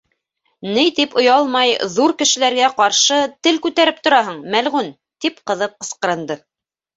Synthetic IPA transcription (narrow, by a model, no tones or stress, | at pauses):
nɘjt̪ipŏjɑlˠmɑjðuɾkɘ̆ʃɘ̆læɾɡæqɑɾʃɤt̪ɘlkʉt̪æɾɘp̚t̪ŏɾɑɦɤɴmælʁʉn | t̪ipqɤ̆ðɤp̚qɤ̆sqɤ̆ɾɤ̆nd̪ɤ